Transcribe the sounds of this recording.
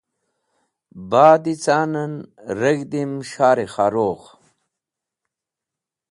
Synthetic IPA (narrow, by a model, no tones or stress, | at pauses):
baːd̪it͡saːnɐnɾɐɡd̪imɕaːɾeχaːɾoːχ